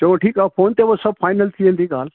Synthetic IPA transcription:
ɐʋõʈʰiːkaːfʰoːnt̪eːbosɐb̚faːɪnəlt̪ʰiẽːnd̪iɡaːl

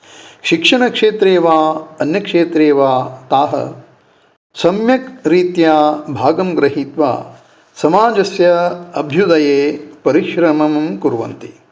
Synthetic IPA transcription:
ʃikʂɐɳɐkʂeːt̪ɾeːʋaːɐnjɐkʂeːt̪ɾeːʋaːt̪aːɦɐ̰ | sɐmjɐkɾiːt̪jaːbʱaːɡɐmɡɾɐɦit̪ʋa̰ː | sɐmaːd͡ʒɐsjɐɐbʱjud̪ɐjeːpɐɾiʃɾɐmɐmkuɾʋɐ̰nt̪i

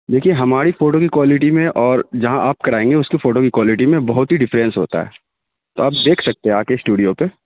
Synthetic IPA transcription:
d̪eːkʰieɦɐmaːɾifoːʈokikwaːlɪʈimẽʔɔːɾd͡ʒɐɦãʔaːp̚kɐɾaːẽːŋɡeʊskifoːʈokikwaːlɪʈimẽbɐɦʊt̪ɦiɖɪfɾɛ̃nsɦo̰ːt̪a̰ɦɛ̰ː | t̪o̰ɐb̚d̪eːkʰsɐk̚t̪eɦɛ̃aːkesʈuːɖijope

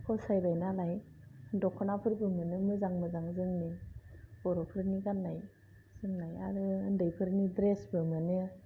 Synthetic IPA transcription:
kʰɔsajdajnalajdɔkʰːɔnapʰɯɾbɯmɯnɯmɯzaŋmɯzaŋzɯŋnibɔɾɔpʰɯɾniɡanːaj | z̥ɯŋnaja̰ɾɯɯndɯjpʰɯɾnidɾesbɯmɯnɯ

